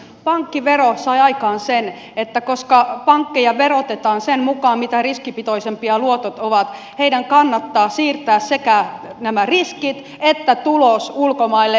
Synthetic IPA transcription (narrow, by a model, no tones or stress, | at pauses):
pɑŋkːiʋerosɑjɑikɑːnsen | et̪ːækoskɑpɑŋkːejɑʋeɾot̪et̪ɑːnsemmukɑːmmit̪æriskipit̪oisempiɑluot̪ot̪oʋɑt̪ | heidæŋkɑnːɑt̪ːɑːsiːrt̪æːssekænæmæriskit̪ | et̪ːæt̪ulosulkomɑilːe